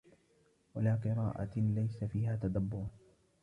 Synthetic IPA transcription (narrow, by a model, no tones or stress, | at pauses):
walaːqɨɾaːʔa̰lajsafiːhaːt̪ad̪abːʊɾ